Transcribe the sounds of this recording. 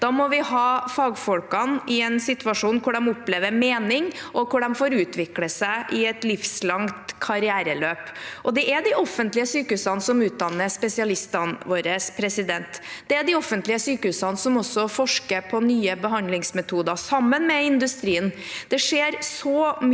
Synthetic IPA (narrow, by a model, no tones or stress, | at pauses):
d̪̥ɑmɔʋɪhɑːfɑːɡfɔlkɑnɪɛnsɪt̪ʉɑʂuːnkʊɖɛmɔpleːʋəɾmeːnɪŋʔɔkʊɖɛmfoːɾʉːt̪ʋɪkləsæɪʔɪɛt̪lɪfslɑŋt̪kʰɑɾɪæːɾəløːpʔɔd̪ɛʔæd̪iʔɔfːənt̪lɪəsyːkəʉsɑnsɔmʉːt̪̚d̪ɑnːəspɛsɪɑlɪst̪ɑnʋoːɾəspʰɾɛsɪd̪ɛnt̪d̪̥ɛæɖ̪ɪɔfənt̪lɪəsyːkəʉsɑnsɔmɔsːɔfɔʂkəɾpʰɔnyːəbəɦɑnd̪lɪŋsmɛt̪ʰuːd̪ɑsɑmːənmɛɪnd̪ʉst̪ɾiːən | d̪̥ɛʂeːɾsɔm